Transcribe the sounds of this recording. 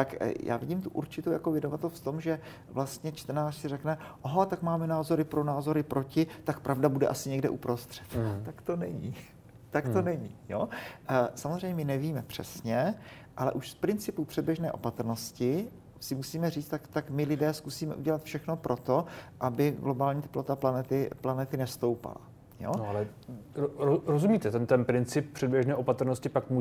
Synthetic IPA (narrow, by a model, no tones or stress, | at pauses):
t̪akja̰ːvɪɟiːmt̪uʔuɾt͡ʃɪt̪owjakovjɪdovat̪ɛlft̪o̞mʒɛ | vlast̪ɲɛt͡ʃt̪rnaːrsɪrɛknɛʔoɦat̪akmaːmɛnaːzo̞ɾɪpɾo̞naːzo̞ɾɪpɾo̞cɪt̪akpɾʔavdabudɛ̰ʔasɪɲɛɡdɛʔupɾo̞st̪r̥ɛ̥t̪t̪akt̪o̞nɛɲḭ | t̪akt̪o̞nɛɲijo̰ | samozrɛjɲɛmɪnɛviːmɛpr̝̥ɛ̰sɲɛ | ʔalɛ̰ʔuʃspɾɪnt͡sɪpupr̥ɛd̚bjɛʒnɛːʔo̞̰pat̪r̩noscɪ | sɪmusiːmɛriːt͡st̪akt̪akmɪlɪdɛːskusiːmɛ̰ʔuɟɛlat̪fʃɛxno̞pɾʔo̞t̪o̞ʔabɪɡlo̞baːlɲiːt̪ɛ̥plo̞t̪aplanɛt̪ɪplanɛt̪ɪnɛst̪o̞wpa̰la̰ | jo̰noalɛ | ɾoɾozumiːt̪ɛt̪ɛnt̪ɛnpɾɪnt͡sɪp̚pr̥ɛd̚bjɛʒnɛːʔopat̪ɾ̩noscɪpakmu